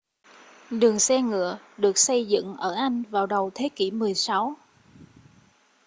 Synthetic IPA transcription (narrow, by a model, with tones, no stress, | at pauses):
ɗɨ˨˩əŋsɛ˧ŋɨ̰˧˨ə | ɗɨ˨˩ək̚sə˧jzɨ̰˧˨ŋʔəː˧˩ʔa˧jŋ̟vaː˨˩wɗə˨˩wt̪ʰe˨˦ki˧˩mɨ˨˩əjsa˨˦w